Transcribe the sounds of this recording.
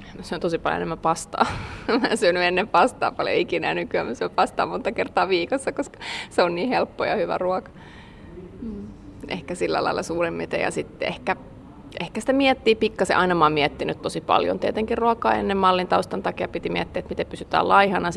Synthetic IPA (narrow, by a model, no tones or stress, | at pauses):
mseont̪osipɑljo̰enemːæpɑst̪ɑ̰ːmæsyønyenːempɑst̪ɑ̰ːpɑljo̰ikinænykyæ̰mæsyøpɑst̪ɑ̰ːmont̪ɑkert̪ɑːʋiːkosːɑkoskɑ̥seonniːhelpːojɑ̰hyʋæ̰ruɑkɑ̥ | m̩ːʔḛhkæsilːæ̰lɑ̰ilːˑɑ̰suːremːet̪ḛjɑ̰sit̪ḛhkæ | ʔehkæsĭ̥t̪æmiɛt̪ːiːpikːɑsḛʔɑinɑmɑːmiɛt̪ːinyt̪t̪osipɑ̰ljo̰nt̪iɛt̪eŋkirruɑkɑ̰ːḛnːemmɑlːint̪ɑust̪ɑnt̪ɑkijɑpit̪imiɛt̪ːiæet̪mit̪epysyt̪æ̰ːlɑihɑnɑ